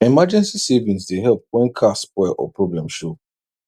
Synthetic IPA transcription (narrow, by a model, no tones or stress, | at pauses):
ɛmad͡ʒɛ̃nsisevĩnsdeɦɛlp̚wɛ̃nkʰaspwɛʔɔ̰pʰɹɔblɛ̃mʃo